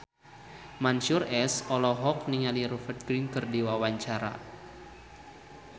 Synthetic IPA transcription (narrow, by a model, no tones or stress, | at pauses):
mansurɛsɔlɔɦɔk̚niŋaliɾufərt̪̚ɡɾinkɨrdiwawaɲt͡ʃaɾa̰